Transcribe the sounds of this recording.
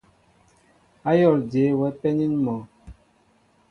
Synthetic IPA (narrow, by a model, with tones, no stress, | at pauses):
a˦jɔ˦˨lde˨˦wɛ˨˦pɛ˦ni˦nmɔ˨